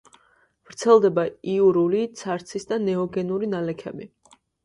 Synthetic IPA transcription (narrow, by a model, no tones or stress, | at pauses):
vɾt̪sʰɛlˠd̪ɛbaiuɾulit̪sʰaɾt̪sʰisd̪anɛɔɡɛnuɾinalɛkʰɛ̰bi